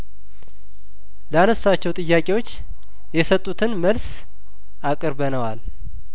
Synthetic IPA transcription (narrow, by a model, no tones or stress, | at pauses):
ləanəsːat͡ʃːɛwt̪ʼɨjːakʼewo̞t͡ʃː | jɛsət̪ʼːut̪ʰɨnməls | akʼɨɾbənəwal